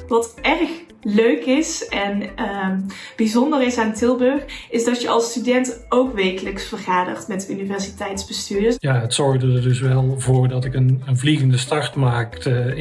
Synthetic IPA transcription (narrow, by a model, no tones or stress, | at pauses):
ʋɑtɛrx | løɥkɪsɛnəb̥izɔndərɪsaːntɪlˠbɵxɪzdɑtjəʔɑ̰lˠstydɛntowkʋejkələksfərɣaːdə̰χtmɛtynivɛɹzitɛjtsb̥əstyːdəjaːətsɔɹɣdərdɵsʋɛlˠvoːrdɑtɪkənənvliɣəndəstɑɹtmaːktə